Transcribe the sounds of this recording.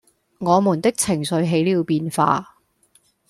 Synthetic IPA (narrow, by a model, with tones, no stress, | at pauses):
ŋɔː˨˧muː˨˩nt̪ɪ˥k̚t͡sʰɪ˨˩ŋsɵ˨˧ɥɦe˨˥jliː˨˧wpiː˧nfa̰ː˧